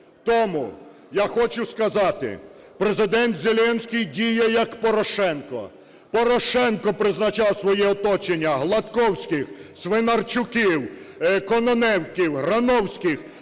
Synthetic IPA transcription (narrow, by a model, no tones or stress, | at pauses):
t̪ɔmʊ̰ | jaxɔt͡ʃʊskɐzɑt̪ɪ̰ | pɾezɪd̪ɛnt̪zʲelʲɛnʲsʲkʲɪjdʲijɛjɐkpɔɾɔʃɛnkɔ̰ | pɔɾɔʃɛnkɔpɾɪznɐt͡ʃɑwsʋɔjiɔt̪ɔt͡ʃenʲːɐɦlˠɐt̪kɔwsʲkɪxsʋenɐrt͡ʃʊkiw | kɔnɔnɛwkʲiwɦɾɐnɔwsʲkɪx